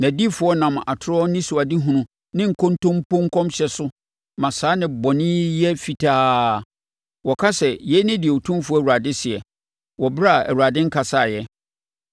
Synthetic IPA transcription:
nã˨di˦fʊ˨˦ɔ˦nã˨m˨a̰˨tʰʊ˦ɾɔ˦nɪ̃˦sʊ˨a˨di˦ɦũ˨nʊ̃˦ | nɪ̃˦ŋ̩˨kʰõ˦ntʰõ˦m̩˦põ˦ŋ̩˦kʰɔ̃˦mɕɛ˨sʊ˦ | mã˨saː˨˦nɪ̃˨bɔ˨nɪ̃˦jɛ˦fi˨tʰaː˦ | wɔ˨kʰa˦sɛ˨jɛ˦nɪ̃˦dɪ˨ɛ˨o˨tʰũ˦mfʊ˦ɔ˦˨u˨a˨dɪ˦sɪ˨ɛ˨ | wɔ˨bɾa˦˨æ̰˨wu˨a˨dɪ̃˦ŋ̩˦kʰa˨sa˦˨jɛ˦

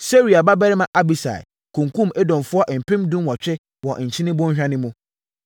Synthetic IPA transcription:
se˦ɾi˨a˨ba˦bɛ˦ɾɪ˦mã˨ʔa˦bi˨sa̰˨ɪ̰˨ | kʰũ˨ŋkʰũ˦me˦dɔ̃˨mfʊ˦ɔ˦ʔm̩˨pʰɪ̃˦mdũ˦nwɔ˨t͡ɕᶣɪ˦ | wɔ˨t͡ɕʰĩ˦nɪ̃˦bʊ̃˦hᶣã˦nɪ̃˦mũ˦

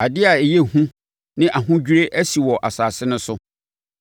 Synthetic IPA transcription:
a˨dɪ˦a˨e˨jɛ˦hũ˦ | nɪ̃˦ʔa˨ɦʊ̃˦d͡ʑᶣi˦ɾe˦ʔæ˦si˨wɔ˨ʔa˨saː˨sɪ˦nʊ̃˦sʊ˦

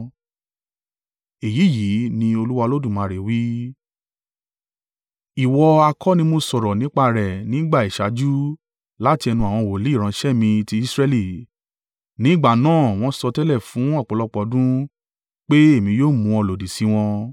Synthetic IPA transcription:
e˨ji˨˦˨ji˨˦nĩ˧o˧lu˦wa˧lo˦dũ˦˨mãː˨˧˨ɾe˨wi˦ | i˨wɔ˧a˧kʰɔ˦nĩ˧mo˧sɔ˨ɾɔ˨nĩ˨˦k͡pa˧ɾɛ˨nĩ˦ɡ͡ba˦˨i˨ʃa˨˦d͡ʒu˦ | la˦ti˧ɛ˧nũ˧a˨w̃ɔ̃˧˨wo˨le˨˦˨ɾ̃ã˧ʃɛ˦˨mĩ˧ti˧i˦sɾɛ˦˧li˦˨ | nĩ˨˦ɡ͡ba˦˨nãː˦˨w̃ɔ̃˧˦sɔ˧tɛ˦lɛ˦˨fũ˨˦ɔ˦˨k͡pɔ˨lɔ˦k͡pɔ˨˧˦dũ˦ | k͡pe˦e˦˨mĩ˧joː˦˨mũ˧ɔ˧˨lo˨di˨si˨˧˦w̃ɔ̃˧

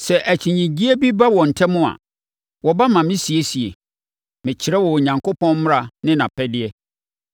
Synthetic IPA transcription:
sɛ˨ʔæ˨t͡ɕʰĩ˨ɲĩ˨d͡ʑi˦e˦bi˦ba˦wɔ̃˨n̩˨tʰɛ˦mʊ̃˦a̰˨ | wɔ˨ba˦mã˨mɪ̃˦si˨e˦si˨ḛ˨ | mɪ̃˨t͡ɕʰɪ˨ɾɛ˦wɔ˨ɲã˨ŋkʰo˦pʰɔ̃˦n˦m˦ɾa˨nɪ̃˦nã˨pʰɛ˦dɪ˦ɛ˦

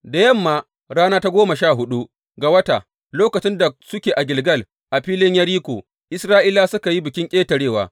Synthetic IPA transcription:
da˨jɐ˦˨mːaː˨ | ɽaː˦naː˦ta˦ɡʷoː˦mɐ˨ʃaː˦˨ɦʊ˦ɗu˦ʔ | ɡa˨wɐ˦ta˨ | loː˦kɐ˨t͡ʃɪ˦nda˨sʊ˦kʲeː˨ʔa˨ɡʲɪ˨lɡɐ˦˨l | ʔa˨ɸiː˦lɪ˦ɲjɐ˦ɽiː˦kʷoː˨ | ʔɪ˦sɾaː˦ʔɪ˦la˦sʊ˦ka˨ji˦bɪ˨kʲɪ˦ŋkʲʼeː˦tɐ˨ɽeː˦˨wa̰ː˨

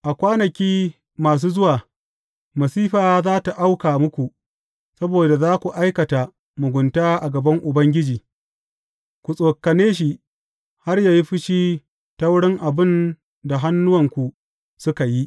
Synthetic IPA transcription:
ʔa˨kʷaː˦nɐ˨kʲiː˦ | maː˨s̬uː˦zʊ˦waː˨ | mɐ˨siː˦ɸaː˨zaː˦ta˨ʔa˦wkaː˨mʊ˦kʷu˨ | sɐ˦boː˨da˨zaː˦kʷu˨ʔa˦jkɐ˨ta˨ | mʊ˨ɡʷʊ˨ntaː˦ʔa˨ɡɐ˨bɐ˦ŋʔʊ˨bɐ˦ŋɡʲɪ˦d͡ʒiː˨ | kʷu˨sʼoː˨kɐ˨neː˦ʃ̬i˨ʔ | ha˦rjaː˨ji˦ɸɪ˦ʃiː˦ | ta˦wʊ˦ɽɪ˦ŋʔa˨bɪ˦n | da˨ɦa˦nːʊ˦wɐ˨ŋkʷu˨ | sʊ˦ka˨ji˦ʔ

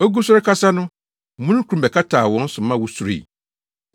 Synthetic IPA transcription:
o˦ɡu˦sʊ˦ɾkʰa˦sa˦nʊ̃˦˨ | mũ˦nʊ̃˦kʰu˨ɾũ˨bɛ˨kʰa˦tʰaː˨wɔ̃˨˦n̩˦sʊ˨mã˦wʊ˦su˨ɾḛ˨i˨

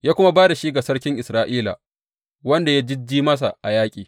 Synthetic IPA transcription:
jaː˦kʷʊ˦ma˦baː˦da˨ʃi˦ɡa˨sɐ˦ɽkʲɪ˦ŋʔɪ˨sɾaː˦ʔiː˦la̰˨ | wɐ˦nda˨ja˦d͡ʒɪ˦d͡ʒiː˦mɐ˦s̬a̰˨ʔa˨jaː˦kʲʼiː˨

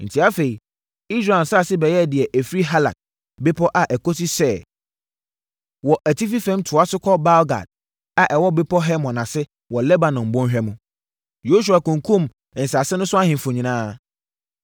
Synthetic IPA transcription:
n̩˨tʰi˨˦a˦fe˨i˨ | i˦sɾa˨n˨saː˦˨sɪ˦bɛ˨jɛ˦˨dɪ˨ɛ˨ʔɛ˨fɾi˦ɦa˦la̰˨d̚ | be˦pʰɔ˦ʔa˨ʔɛ˨kɔ˦si˦sɛ˦˨ | wɔ˨ʔæ˨tʰi˦fi˦fɛ̃˦mtʰʊ˨a˦sʊ˦kʰɔ˦ba˦lɡa̰˨d̚ | a˨ʔɛ˨wɔ˦be˦pʰɔ˦ɦɛ˦mɔ̃˨nã˨sɪ˦ | wɔ˨lɛ˦ba˨nɔ̃˨m˨bʊ̃˦nɦᶣɛ˦mʊ̃˨ | jo˦s̬u˨a˨kʊ̃˨ŋ˨kʰũ˦m | ɛ̃˨n̩˨sa˨sɛ˦nʊ̃˦sʊ˦a˦hɪ̃˨m˨fʊ̃˨ɲĩ˨nãː˦

